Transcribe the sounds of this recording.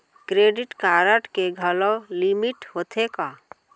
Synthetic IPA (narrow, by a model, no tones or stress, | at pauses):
kɾeːɖɪʈkaːɾəʈkeɡʱələlimɪʈɦoːt̪ʰekaː